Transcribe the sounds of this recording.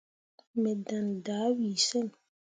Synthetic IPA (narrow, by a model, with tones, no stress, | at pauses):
mɛ˨da˨ndaː˨˦wiː˨sɛ˦˨n